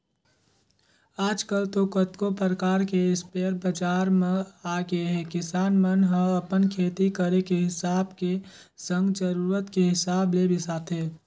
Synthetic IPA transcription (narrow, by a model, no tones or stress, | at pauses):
aːd͡ʒkəlt̪okət̪kopəɾəkaːɾkeɪspeːɾbəd͡ʒaːɾmẽaːɡəeɦɛkɪsaːnmənɦə̃əpənkʰeːt̪ikəɾekeɦɪsaːbke | sə̃ŋɡd͡ʒəɾuːɾət̪keɦɪsaːblebɪsaːt̪eː